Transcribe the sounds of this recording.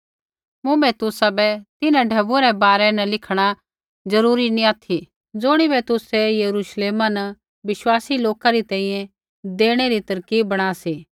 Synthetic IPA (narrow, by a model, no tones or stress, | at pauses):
mʊ̃bɛt̪ʊsabɛt̪ɪnãɖʱɐbuɾɛbaːɾɛnɐlɪkʰɽ̃a | d͡zɐɾuːɾinĩaːt̪ʰi | d͡zʊɽ̃ibɛt̪ʊsɛjɐɾuːʃleːmanɐ | bɪʃwaːsiloːkaɾit̪ɛ̃ːĩːjɛ̃ | d̪eːɽ̃eɾit̪ɐɾkiːbɐɽ̃aːsiː